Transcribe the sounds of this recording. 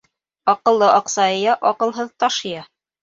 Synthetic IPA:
ɑqɤ̆lˠːɤʔɑqsɑɤ̆jɑʔɒqɤ̆lˠɦɤðt̪ɑʃɤjɑ

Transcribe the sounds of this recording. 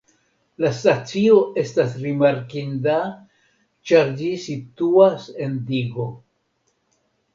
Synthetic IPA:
lastat͡sio̞e̞stasɾimaɾkinda | t͡ʃaɾd͡ʒisituase̞ndiɡo̞

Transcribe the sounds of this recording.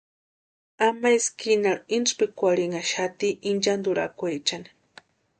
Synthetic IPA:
amajskinaɾinspikʷaɾiŋaʃat̪iʔind͡ʒand̪uɾa̰kʷet͡ʃani̥

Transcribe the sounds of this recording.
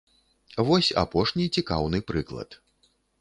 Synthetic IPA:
vɔsʲa̰pɔʂnʲit͡sʲikawnɨpɾɨklˠɐ̰t̪

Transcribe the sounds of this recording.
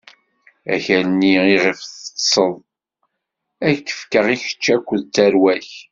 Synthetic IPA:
æ̰çænːiiʁəfθə̥sˤəðˤ | ækːə̥fkəʁiçə̥t͡ʃːækʷːəðt̪ːæɾwæç

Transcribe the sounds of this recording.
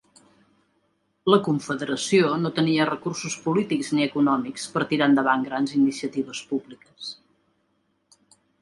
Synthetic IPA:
ləkuɱfəðəɾəsionot̪əniərəkursuspulit̪ikzniəkunɔmikspəɾt̪iɾand̪əβ̞aŋɡɾanzinisiət̪iβ̞əspublikəs

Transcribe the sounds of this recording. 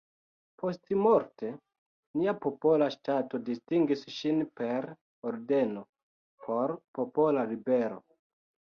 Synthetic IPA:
po̞stmo̞ɾte̞ | niapo̞po̞laʃtato̞distiŋɡisʃinpe̞ɾ | oɾde̞no̞ | pʰo̞ɾpopo̞lalibe̞ɾo̰

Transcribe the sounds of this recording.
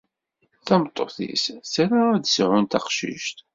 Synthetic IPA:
θæmt̪ˤːoθḭssæɾad̪sʕʊnt̪æqʃḭʃt̪

